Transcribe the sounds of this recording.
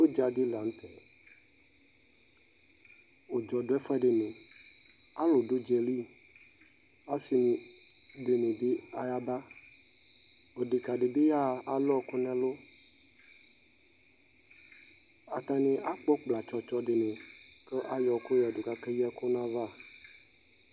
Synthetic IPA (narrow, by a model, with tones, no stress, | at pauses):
wo˦d͡ʒa˨di˦la˨n˦t̪ɛ˨ | wo˨d͡ʒɔ˨ɖo˨˦ɛ˦fa˦ɖe˨nẽ˨ | a˦lo˨do˦d͡ʒɛ˨li˦ | a˦si˨nĩ˨ | ɖe˨nẽ˨be˦a˨ja˦ba˦ | o˨ɖe˨ka˨ɖe˨be˦ja˦a˨lɔ˦˨ko˦nã˦lo˦ | a˨t̪a˨nẽ˨ʔa˦k͡pɔ˦k͡pla˨t͡ʃɔ˦t͡ʃɔ˦ɖe˨nẽ˨ke˦ʔa˦jɔ˨ko˦ja˨do˨ka˦ke˦ji˦a˦ko˦nã˦va˦˨